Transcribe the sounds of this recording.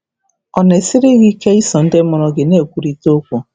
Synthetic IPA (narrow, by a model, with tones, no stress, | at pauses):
ɔ˨ne˨sɪ˦ɾɪ˦ɣi˦ke˦i˦sɔ˨n̩˦dɪ˦mʊ˨ɾɔ˨ɡɪ˨ne˦˨kʷu˨ɾi˦to˦kʷʊ˦